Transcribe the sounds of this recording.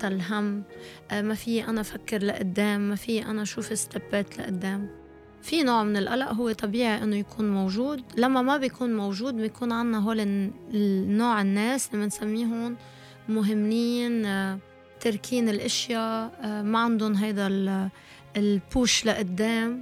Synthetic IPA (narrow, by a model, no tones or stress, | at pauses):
t̪alɦamː | mafɪjːeʔanafakːɪɾlaʔʊd̪ːeːmːafɪjːeʔanaʃuːfɪst̪abːeːt̪la̰ʔʊd̪ːeːm | finoːʕmɪnɪlʔalaʔɦʊwːet̪ˤɑbiːʕiʔɪnːojakʰuːnmowʒuːd̪lamːamabɪjkuːnmowʒuːd̪̚bjkuːnʕanːaɦoːlɪ | nːoːʕɪnːeːslimɪnsamːiːɦʊn | mʊɦɪmːiːn | t̪ɪɾkʰiːnɪlʔɪʃjamaʕand̪ʊnɦajd̪a | lpuːʃlaʔʊd̪ːeːm